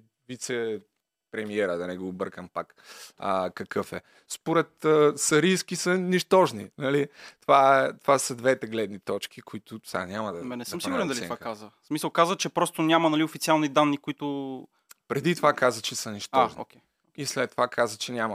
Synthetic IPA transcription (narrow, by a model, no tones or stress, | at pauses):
vit̪sɛ | pɾɛmiɛɾəd̪ɐnɛɡoːbɤɾkəmpak | əkɐkʰɤfɛ | spoɾɛt̪əsɐɾisk̟isənɛʃt̪ɔʒnḭnɐlit̪ovaɛt̪ovasəd̪vɛt̪ɛɡlɛd̪nit̪ɔt͡ʃk̟ʰikoit̪ʊsʲa̰nʲamɐd̪ɐɛnɛsəmsiɡuɾɛd̪ɐliɛtvakazvəsmisəlˠkazət͡ʃɛpɾɔst̪ʊnʲamɐnɐliʊfit̪sialˠnid̪anːikʊit̪ʊ | pɾɛd̪it̪ovakazvət͡ʃɛsənɛʃt̪ɔʒn̰kʲɛ | islɛt̪ːovakʰazvət͡ʃɛnʲamɐ